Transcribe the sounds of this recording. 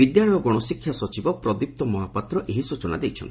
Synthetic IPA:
bid̪jaɭɔjɔɡɔɽ̃ɔsikʰːjasɔt͡ʃibɔpɾɔd̪ip̚t̪ɔmɔɦapat̪ɾɔʔeɦisut͡ʃɔnad̪ejt͡ʃʰɔ̰nt̪i

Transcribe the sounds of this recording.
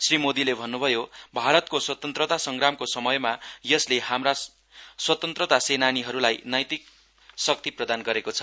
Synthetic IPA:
srimod̪ilebʱʌnːubʱʌjobʱaɾʌt̪̚koswʌt̪ʌnt̪rʌt̪asʌŋɡramkosʌmʌjmajʌslehamra | swʌt̪ʌnt̪rʌt̪asenaniɦʌɾulajnʌjt̪ik̚ | sʌk̚t̪iprʌd̪anɡʌɾekot͡sʰʌ̥

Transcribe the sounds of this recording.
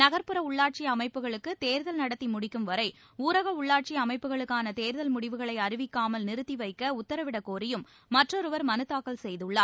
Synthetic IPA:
nɐɣɐɾpɯɾɐʊɭːaːʈ̚t͡ʃiɐmɐɪpːɯɣɐɭɯkːɯt̪eːɾðɐlnɐɽɐt̪ːimʊɽɪkːɯmʋɐɾɐɪ | uːɾɐɣɐʊɭːaːʈ̚t͡ʃiɐmɐɪpːɯɣɐɭɯkːaːnɐt̪eːɾðɐlmʊɽɪʋɯɣɐɭɐɪɐrɪʋɪkːaːmɐlnɪɾɯt̪ːiʋɐɪkːɐʊt̪ːɐɾɐʋɪɽɐkːoːɾɪjɯmː | ɐʈrɔɾɯʋɐɾmɐnɯt̪ːaːkːɐlsɛjðɯɭːaː

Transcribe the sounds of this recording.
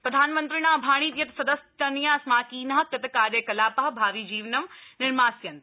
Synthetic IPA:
pɾɐd̪ʱaːnmɐ̃nt̪ɾiñãːbʱaːɽ̃iːt̪jɐt̪sɐd̪ɐst̪ɐnjãːsmaːkiːnɐɦkɐt̪kaːɾjɐkɐlaːpaɦbʱaːʋid͡ʑiːʋnɐmnɪɾmaːsjɐnt̪

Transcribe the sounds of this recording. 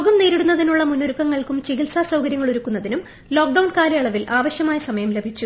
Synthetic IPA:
ɡɐmneːɾiɽunːɐðinuɭːɐmunːoɾukːɐŋːɐɭkumt͡ɕiɡilsaːsɐwkɐɾjɐŋːɐɭuɾukːunːɐðinum | lo̞ːk̚ɖɐwɳkaːɾɐjɐɭɐʋilʔaːʋɐɕjɐmaːjɐsɐmɐjɐmlebʱit͡ɕːu

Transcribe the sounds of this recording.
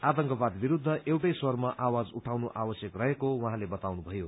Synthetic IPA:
at̪ʌŋkʌbad̪biɾud̪ʱːʌʔewʈʌjswʌrmaʔawad͡zuʈʰawnuʔabʌsjʌkrʌɦekowʌɦãlebʌt̪awnubʱʌjo

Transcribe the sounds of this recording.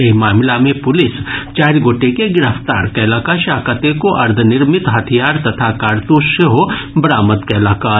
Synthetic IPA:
emaːmlamẽpʊlɪst͡ʃaːɾɡoːʈekeɡɪɾəft̪a̰ːɾkɛːlaːkaʃaːkət̪ekoʔɐɾd̪ʱənɪɾmɪt̪ɦɐt̪ʰijaːɾt̪ɐt̪ʰakaːɾt̪uʃʃeɦobɾaːməd̪kɛːlaːkaː

